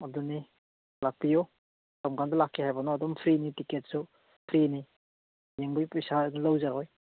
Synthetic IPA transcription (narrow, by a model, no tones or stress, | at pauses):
aduni | lak̚tijo | tamkʰandɐlakʰːihajbɔnɔadɔmpʰɾinitiket̚su | pʰɾini | jeŋbɯjpɔjsanlawzaɾɔj